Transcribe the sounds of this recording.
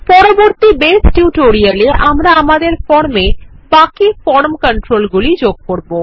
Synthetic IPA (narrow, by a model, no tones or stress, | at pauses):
pɔɾoboɾt̪ibesʈuʈoɾialiʔamɾaamad̪eɾfɔɾme | bakifɔɾmkəɳʈɾolɡulid͡ʑoɡ̚koɾbo